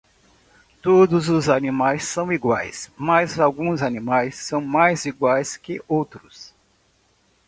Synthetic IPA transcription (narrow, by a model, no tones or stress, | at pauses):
t̪od̪ʊzʊzanimajsːɐ̃w̃iɡwajsmɐzawɡũzanimajsːɐ̃w̃majziɡwajskɪʔowt̪ɾʊs